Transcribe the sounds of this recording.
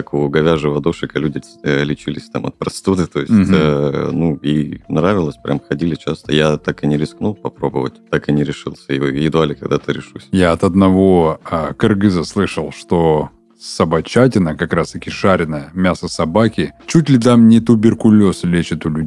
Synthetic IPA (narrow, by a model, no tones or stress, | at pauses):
akʊɡɐvʲaʐɨvɐd̪oʂɨkɐlʲudʲɪlʲɪt͡ɕilʲɪsʲt̪amɐt̪̚pɾɐst̪od̪ɨt̪ojɪsʲ | nuinɾavʲɪlˠəsʲpɾʲʔa̰mxɐdʲilʲɪt͡ɕast̪əjat̪akɨnʲɪɾʲɪsknulˠpɐpɾo̞bəvə̰tʲt̪akɨnʲɪɾʲɪʂɨlˠsʲəɪjɪd̪ʊalʲɪkɐɡd̪at̪ɨɾʲɪʂusʲjaɐt̪ɐd̪nɐvo̞əkɐrɡɨzəslˠɨʂəlˠʂt̪o | sɐbɐt͡ɕat̬ʲɪnəkɐkɾast̪ɐkʲɪʂaɾʲɪnəjəmʲasəsɐbakʲɪt͡ɕut̬ʲlʲɪt̪̬amnʲɪt̪ʊbʲɪrkʊlʲo̞slʲet͡ɕɪt̪ʊlʲʉ